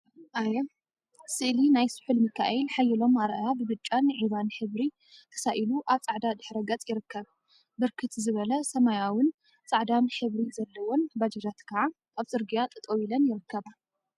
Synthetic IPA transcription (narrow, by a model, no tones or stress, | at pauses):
ʔaje | sɨʔlinajsɨ̥ħulmɨkʰa̰ʔɛlħajːɪlo̞maɾʔajabɨβɨt͡ʃʼːanɨʕiβanħɨβɾi | t̪ʰɐ̥saʔiluʔaβt͡sʼaʕd̪ad̪ɨħɾɐɡɐt͡sʼjɪɾɨkːɐβ | bɨɾkʰɨt̪zɨβɐlɐsɐmajawʊn | t͡sʼaʕd̪anħɨβɾizɐlːɐwonbad͡ʒɐd͡ʒat̪kʰɐʕa | aβzʼɨɾɡijat̪ʼɨt̪ʼowilɐnjɪɾɨkːɐβa